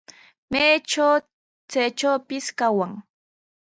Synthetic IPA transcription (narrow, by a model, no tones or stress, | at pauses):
majʈ͡ʂaw | t͡sajʈ͡ʂawpɪskawaŋ